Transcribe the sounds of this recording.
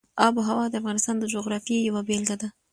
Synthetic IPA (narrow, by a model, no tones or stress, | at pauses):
ɑboɦawɑd̪əafɣɑnɪst̪ɑnd̪əd͡ʒoɣɾɑfjejawabelɡad̪a